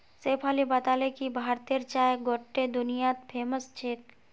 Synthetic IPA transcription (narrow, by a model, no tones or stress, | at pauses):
seːpʰaːlibat̪alekibʱaːɾt̪eɾt͡ʃaːeɡoʈːed̪ʊnijat̪̚pʰeːməst͡ʃʰeːt̪̚